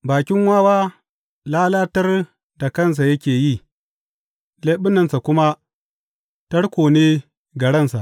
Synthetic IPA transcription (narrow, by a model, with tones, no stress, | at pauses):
baː˨kʲɪ˦ŋwaː˦waː˦ | laː˦laː˦tɐ˦r | da˨kɐ˦˨ns̬a˨jɐ˦kʲeː˨ji˦˨ | leː˦ɓɪ˦nːɐ˨nsa˨kʷʊ˦ma˦ | tɐ˦ɽkʷoː˨neː˦ | ɡɐ˨ɽɐ˦˨nsa˨ʔ